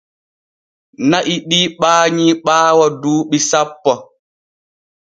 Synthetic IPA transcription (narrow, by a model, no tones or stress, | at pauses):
naʔiɗiːɓaːɲiɓaːwaduːɓisapːɔ